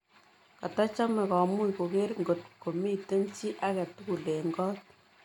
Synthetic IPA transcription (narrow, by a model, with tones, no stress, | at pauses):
ka˨tɔ˦t͡ʃɔ˦mɛ˨kɔ˨mu˦jko˨ke˦ɾŋɡo˨tko˨mi˦te˦nt͡ʃi˦ʔa˦kɛ˨tu˦ku˨le˨ŋɡɔ˦t̚